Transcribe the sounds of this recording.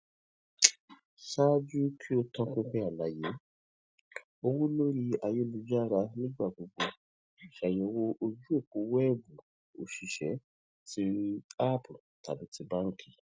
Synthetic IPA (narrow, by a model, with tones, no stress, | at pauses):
ʃa˦d͡ʒu˦kʰi˦o˧tɔ̃˧kũ˦ɸɛ˦a˨la˨˦je˨˦ | o˧wu˦lo˦ɾi˧a˧je˦lu˧d͡ʒa˦˨ɾa˧nĩ˦ɡ͡ba˦˨ɡ͡bo˨ɡ͡bo˧ | i˨ʃa˨jo˨˧˦wo˧ʔo˧d͡ʒu˦e˦˨ku˨˦wɛ˦bu˨ | o̰˨ʃi˨ʃɛ̰˨˦ | ti˦a˦pu˨ta̰˨bi˨˦ti˧ba˦ŋ̩˦kʰi̥˨